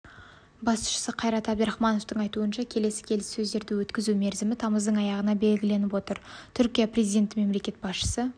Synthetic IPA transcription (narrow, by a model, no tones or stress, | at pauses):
bɑsʊ̥ʃə̥səqʰɑjɾɑt̪æbd̪ɾɑχmɑno̞ft̪əɴɑjt̪uənʃɑkʲʰe̞le̞sɪ̥kʲʰe̞lɪsːɵzd̪e̞ɾd̪ɪwɵt̪kʲɪzume̞ɾzɪmɪt̪ʰɑməzd̪əɴɑjɑʁənɑbe̞lɡʲɪle̞nɪpwo̞t̪əɾt̪ʰʏɾkʲijaprʲezid̪ʲent̪ɪme̞mle̞kʲe̞t̪̚bɑsʃə̥sə